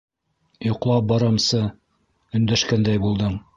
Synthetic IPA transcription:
jŏqlˠɑp̚bɑɾɑmsɤ | ɵ̆nd̪æʃkænd̪æjbulˠd̪ɤɴ

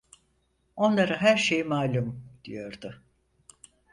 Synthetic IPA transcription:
o̞nlˠaɾaɦæɾʃejimaːlʲumd̪̥ijo̞ɾd̪ʊ

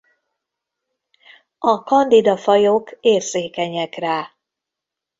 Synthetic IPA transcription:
ɒkɒnd̪id̪ɒfɒjokeːrzeːkɛɲɛkraː

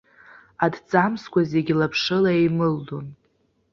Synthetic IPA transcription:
adt͡sʼamskʷaze̞ɡʲilapʰʂɨlaejmɨlːon

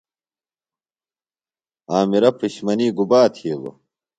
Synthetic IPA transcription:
aːmiɾɐpʰiɕmɐniːɡubaːt̪ʰiːlo̰

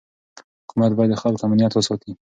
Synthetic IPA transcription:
hʊkʰumat̪̚bɑjad̪ːəxalkamanijat̪wəsɑt̪ʰi

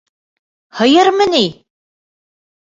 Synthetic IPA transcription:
hɤ̆jɤɾmɤ̆nij

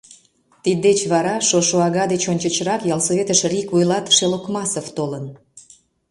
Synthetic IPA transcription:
t̪id̪et͡ɕβɑɾɑʃoʃoɑɣɑd̪et͡ɕonʲt͡ɕət͡ɕɾɑkjɑlsoβet̪əʃrʲikvujlɑt̪ʃelokmɑsoft̪olən

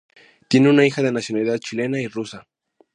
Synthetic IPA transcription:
t̪je̞ne̞unaixað̞e̞nasjo̞naliðaðt͡ʃile̞nairusa

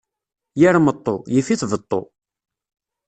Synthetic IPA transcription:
jaɾmət̪ˤːojəfiθvət̪ˤːo̰

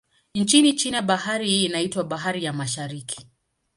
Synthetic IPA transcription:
n̩t͡ʃinit͡ʃinɛɓahaɾiːnaitwaɓaɦaɾijamaʃaɾikʰi̥

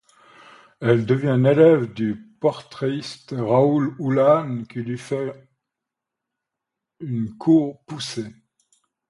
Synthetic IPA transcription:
ɛld̪əvjɛ̃nelɛvd̪ypɔʁt̪χeist̪ʁaululankʲʰilɥifɛ | ynkʰuʁpuse

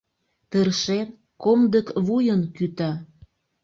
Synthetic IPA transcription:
t̪ərʃen | komd̪əkβujənkyt̪ɑ

